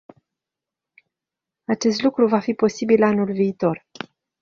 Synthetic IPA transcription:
at͡ʃe̞st̪lukɾuvafipo̞sibilanulviːt̪o̞r

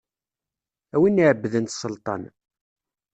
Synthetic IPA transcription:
æwinːiʕəbːðənt̪səlt̪ˤɑ̰n

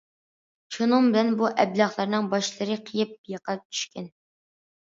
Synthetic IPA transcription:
ʃʰunɨŋbɪlɛnbuʔɛblˠɑχlˠɑɾnɨŋbɑʃlˠəɾɨqʰəjɨp̚jəqɑt͡ʃ̪ʰy̥ʃkʲɛn

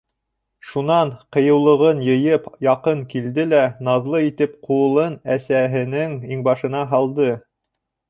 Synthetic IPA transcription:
ʃunɑɴqɤ̆jɤ̆wlˠɤ̆ʁɤnjɤ̆jɤpjɑqɤŋkild̪ɘlænɑðlˠɤit̪ɘp̚quɤ̆lˠɤnæsæɦɘ̆nɘŋiŋbɑʃɤ̆nɑɦɑlˠd̪ɤ

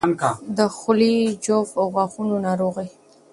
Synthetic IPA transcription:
nkad̪əxʊlid͡ʒofawɣwaxunonɑɾoɣa

